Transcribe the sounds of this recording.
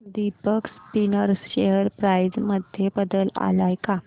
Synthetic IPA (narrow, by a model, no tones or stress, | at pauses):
d̪ipəkspinəɾsɕejəɾpɾajd͡zməd̪ʱjebəd̪əla̰lajka